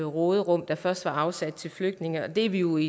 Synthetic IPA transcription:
ʁɔːð̞ˠʁɔ̽m̰d̥ɑ̈fɶɐsd̥ʋɑ̈ɑ̈ʊsæd̥̚t͡sʰe̝lfløɡ̥d̥ne̝ŋɐɒ̽d̥e̝ɐʋijo̝i

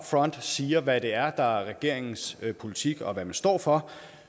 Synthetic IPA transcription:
fʁɒ̽n̰d̥siːɐʋæd̥e̝æɐd̥ɑ̈æɐʁɛɡ̥e̝ɐ̰eŋn̩spʰo̝lit͡sʰiɡ̥ɒ̽ʋæmænsd̥ɒ̰ːfɒ̽

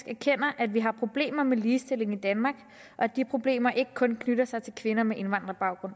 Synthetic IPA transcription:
ɡ̥æɐkʰen̰ɐʔæd̥ʋiɦɑ̈pʰʁo̝b̥le̝̰ːmɐmeliːsd̥e̝le̝ŋid̥ænmɑ̈ːɡ̥ | ʔɒ̽æd̥ipʰʁo̝b̥le̝̰ːmɐʔe̝ɡ̥əkʰɔ̽nkʰnyd̥ɐsɑ̈ɪt͡sʰe̝lkʰʋe̝nɐmeʔe̝nʋɑ̈nd̥ʁɐb̥ɑ̈ʊɡ̥ʁɔ̽n̰

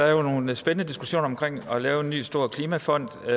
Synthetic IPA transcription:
ɑæɐjo̝no̝ːnsb̥enənəd̥isɡ̥u̥ɕo̝̰ːnɐɒmkʰʁeŋ̰ɒ̽lɛːʊe̝nːy̰ːsd̥o̝ɐ̰kʰliːmæfɒ̽n̰d̥

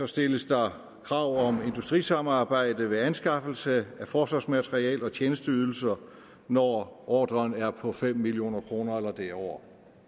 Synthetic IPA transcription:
sɒ̽sd̥e̝ləsd̥ɑ̈ | kʰʁɑ̈ʊ̰ɒ̽me̝nd̥usd̥ʁḭːsɑ̈mɑ̈ːb̥ɑ̈ɪ̰d̥əʋe̝ænsɡ̥ɑ̈fl̩səæfɒːsʋɑ̈smæt͡sʰʁiɛ̰ːlɒ̽t͡ɕʰeːnəsd̥əyð̞ˠl̩sɐ | nɒɒ̰ːd̥ʁɐnæɐpʰɒ̽fem̰ːilio̝̰ːnɐkʰʁo̝ːnɐelɐd̥eɒʊ̰ɐ

